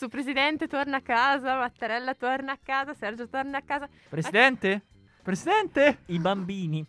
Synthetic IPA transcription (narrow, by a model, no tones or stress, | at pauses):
supɾezid̪ɛnt̪et̪ornaakːaːzamat̪ːaɾɛlːat̪ornaːkːaːzasɛrd͡ʒot̪ornaakːaːza | pɾesid̪ɛnt̪e | pɾezid̪ɛnt̪eibambiːni